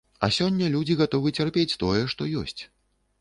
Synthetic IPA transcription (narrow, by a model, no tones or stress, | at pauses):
ɐ̰sʲɔnʲːɐlʲud͡zʲiɣat̪ɔvɨt͡sʲarpʲet͡sʲt̪ɔjɛʂt̪ɔjɔsʲt͡sʲ